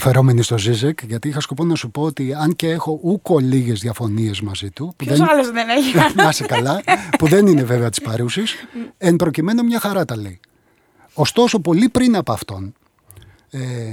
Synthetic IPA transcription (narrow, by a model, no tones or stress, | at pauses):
fe̞ɾo̞me̞nist̪o̞zizekʝɐt̪iixɐsko̞ponɐsupo̞ot̪iɐnceexo̞ʔuko̞liʝe̞zðiɐfo̞nie̞zmɐzit̪upuðenenemɐsekɐlɐpuðe̞nine̞ve̞veɐt̪i̥spɐɾusisempɾo̞cime̞no̞mɲɐxɐɾɐt̪ɐli | ost̪o̞sopo̞lipɾinɐpoɐft̪o̞n | e